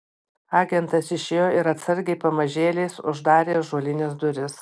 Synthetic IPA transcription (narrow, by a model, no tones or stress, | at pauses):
ɑːɡʲɛnt̪ɐsɪʃʲeːjoːɪɾɐt̪sɐɾʲɡʲɛɪpɐmɐʒʲeːlʲɛɪsʊ̰ʒd̪ɑːɾʲeːʒoːlʲɪnʲɪsd̪ʊɾʲɪs